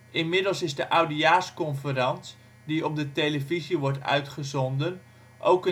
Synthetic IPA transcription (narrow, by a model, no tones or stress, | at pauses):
ʔɪnmɪdəlˠsɪzdəʔawdiaːskɔnfərɑnt | diɔp̚dəteləviziʋɔɹtœ̰ɥtχəzɔndən | ʔo̰wkə